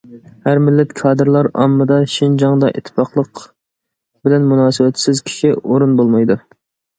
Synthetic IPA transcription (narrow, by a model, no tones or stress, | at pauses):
hæɾmɪlːɛt̪kʰɑːd̪ɨɾlˠɑɾɑ̰mːɨd̪ɑʃind͡ʒɑŋd̪ɑʔḭt̪ʰːɪ̥pɑqlˠəq | bɪlɛnmunɑːsɨwɛt̪sɪzkʲʰi̥ʃiʔoɾunbolˠmɑjd̪u